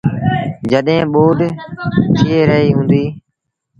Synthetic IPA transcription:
d͡ʒəɗɦẽːɓoːɖt̪ʰɪeːɾəɦiːɦũːnd̪iː

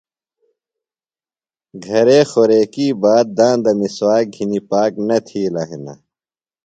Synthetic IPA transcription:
ɡʱɐɾeːxoɾeːkiːbaːt̪̚d̪ãːnd̪ɐmiswaːɡʱinipaːknɐt̪ʰiːlaːɦina̰

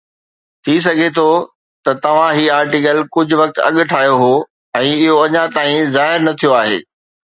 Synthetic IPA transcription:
t̪ʰis̬ɐɡʱet̪ʰo | t̪ɐt̪ɐʋ̤ãɦiːaːɾʈikəlkʊd͡ʑʱʊʋɐk̚t̪ɐ̰ɠ̆ʈʰaːjoɦo | ɛ̃ːɪɦoɐɲãt̪aːĩzaːɦɪɾnɐt̪ʰijoaːɦḛː

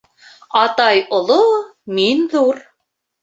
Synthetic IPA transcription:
ɑt̪ɑjŏlˠominðuɾ

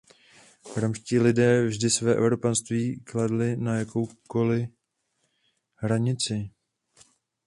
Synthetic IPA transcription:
vɾamʃciːlɪdɛːvʒdɪsvɛːʔɛ̰vɾo̞panst̪viːkladlɪnajako̞wko̞lɪ | ɦɾaɲɪt͡sɪ

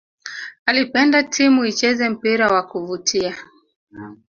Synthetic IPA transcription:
alipɛndatʰimuit͡ʃɛzɛm̩piɾawakuvutʰia

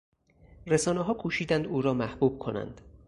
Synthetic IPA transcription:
resɒːneɦɒːkʰuːʃiːd̪ænd̪uːɾɒːmæhbuːb̥̚kʰo̞næ̰nd̪̥

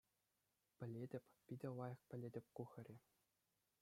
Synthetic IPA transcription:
pʲɘ̆lʲedʲɘ̆pʲpʲidʲɘ̆lˠɑjɤ̆χpʲɘ̆lʲed̪ʲɘ̆pʲkuxʲɘ̆rʲe

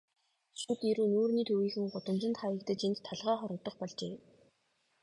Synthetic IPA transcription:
ʃuːt̪iɾuːnuːrniːt̪ʰuwiːxɘ̆ŋɢʊt̪ə̆mt͡ɕɪ̆nt̪χajə̆kt̪ɘ̆t͡ɕint̪ʰːaɮʁœːχɔɾɞ̆t̪ːɞ̆χpɔɮt͡ɕeː

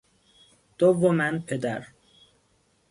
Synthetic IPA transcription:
d̪̥ovomænpʰed̪æɾ

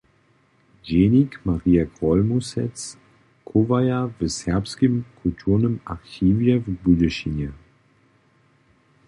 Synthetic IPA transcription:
d͡ʒenikmaʁiːaɡʁɔlmusɛt͡s | kʰuvajavəsɛɐpskimkʰultʰuːnəmaʁçiːvjɛvbudəʃina

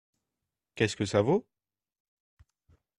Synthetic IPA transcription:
kʲɛskəsavo

